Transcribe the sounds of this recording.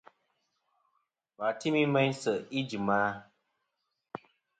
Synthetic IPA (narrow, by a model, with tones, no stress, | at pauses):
wa˨ti˦mi˦mɛ˦ɲsə˨i˦d͡ʒi˨ma˦